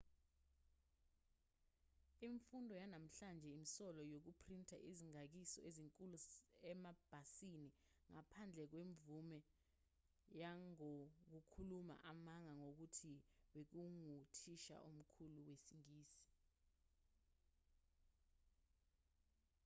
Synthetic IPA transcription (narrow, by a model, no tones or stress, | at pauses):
iɱfundʱɔjanam̩ɬand͡ʒʱɛimisɔlɔjok̬upʰrintʰʼaʔiziŋak̬isɔ̰ʔeziŋkʼuluɛmab̥ʱasini | ŋapʰand͡ɮʱɛk̬weɱvumɛ | jaŋok̬ukʰuluma̰ʔamaŋaŋok̬utʰiwek̬uŋutʰiʃa̰ʔum̩kʰuluwesiŋiːsi̥